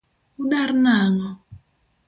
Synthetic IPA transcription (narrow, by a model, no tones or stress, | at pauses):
uɗaɾnaŋɔ